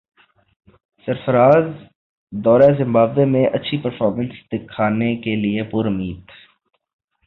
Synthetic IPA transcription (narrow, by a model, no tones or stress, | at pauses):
səɾfəɾaːz | d̪ɔːɾezɪ̃mbaːblemẽʔɐtːʃʰipəɾfɔːɾmə̃nsd̪ɪkʰːaːnekeliepʊɾʊmiːd̪